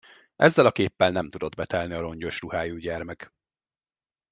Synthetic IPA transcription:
ʔɛ̰zːɛlɒkeːpːɛlnɛmt̪ud̪o̞d̪bɛt̪ɛlniɒɾo̞ɲɟo̞ʃruhaːjuːɟɛrmɛk

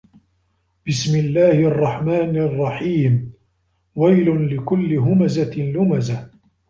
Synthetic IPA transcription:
b̥ɪsmɪlːaːhɪʔɑrˤːɑħmaːnrˤːɑħiːm | wajlʊnlɪkʊlːɪɦʊmazalʊmaza

